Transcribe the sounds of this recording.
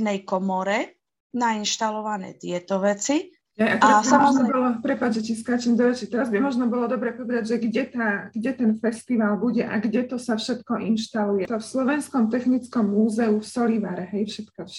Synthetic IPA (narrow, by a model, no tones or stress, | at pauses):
nɛjkɔmɔɾɛ | nainʃt̪alɔʋanɛ̰ːt̪ɪɛt̪ɔʋɛt͡si | ɦɛjak̪ɾamɔʒnɔbɔlɔpɾɛpad͡ʒʒɛciskat͡ʃɛmd̪ɔʋɛt͡ʃit̪ɛɾazbimɔʒnɔbɔlɔd̪ɔbɾɛpɔʋɛd̪aɟʒɛɡɟɛt̪aːɡɟɛt̪ɛnfɛst̪iʋalbuɟɛʔaɡɟɛt̪ɔsafʃɛt̪kɔʔinʃt̪alujɛt̪ɔfslɔʋɛnskɔmt̪ɛxnit͡skɔmːuːzɛufsɔliʋaːɾɛɦɛjfʃɛt̪kɔʃ